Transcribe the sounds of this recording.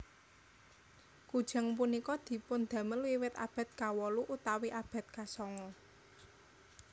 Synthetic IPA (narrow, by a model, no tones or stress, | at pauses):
kud̥ʒ̥a̤ŋpunikɔd̪̥i̤pʊnd̪̥ä̤məlwiwɪt̪a̰b̥ä̤t̪̚kawɔluʔut̪awiʔab̥a̤t̪̚kasɔŋɔ